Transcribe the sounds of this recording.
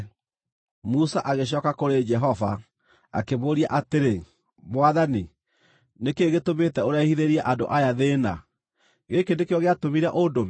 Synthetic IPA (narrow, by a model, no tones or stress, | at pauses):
musaʔaɣeɕ̬ɔkakoɾed͡ʒɛɦɔva̰ | a̰keβoːɾiaʔateɾe | mwaðani | nekeɣetometɛoɾeahiðeɾiɛʔando̰ʔajaðena | ɣekendekeɔɣeatomiɾɛʔodomi